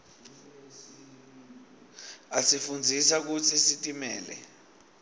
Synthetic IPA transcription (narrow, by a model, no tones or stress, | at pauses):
asifund͡zʱisak̬ut͡sʰisitʼimɛːlɛ̰